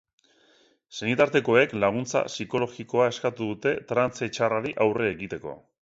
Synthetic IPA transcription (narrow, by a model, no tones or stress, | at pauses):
senit̪aɾt̪e̞ko̞e̞klaɣ̞unt͡sa̰siko̞lo̞ɣiko̞ae̞skat̪uðut̪e̞t̪ɾant͡set͡ʃaraɾiʔawreːɣit̪e̞ko̞̰